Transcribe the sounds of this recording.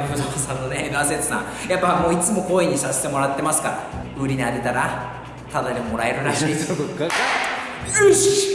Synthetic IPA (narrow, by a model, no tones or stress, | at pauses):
od͡ʑosãnːo̞neenas̬et͡sɨ̥sã̰japːamo̞ːit͡sɨmo̞ko̞ːeɲ̟ːisaɕi̥t̪e̞mo̞ɾat̪ːe̞masɨ̥kaɾa̰ | ɯɾʲiɲiad̪et̪aɾa | t̪ad̪aɲʲemo̞ɾae̞ɾɯ̟ɾaɕiːsokoka